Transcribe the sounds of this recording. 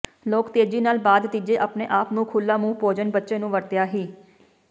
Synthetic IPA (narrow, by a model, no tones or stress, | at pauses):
loːkt̪eːd͡ʒiːnaːlbaːd̪t̪id͡ʒeːʔəpnḛːʔaːpnũːkʰʊlːaːmũːpoːd͡ʒənbətːʃẽːnũːʋəɾt̪jaːɦiː